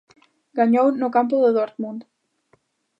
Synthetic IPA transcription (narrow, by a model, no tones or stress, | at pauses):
ɣanjoːwnɔwkampɔðɪðɔɾt̪munt̪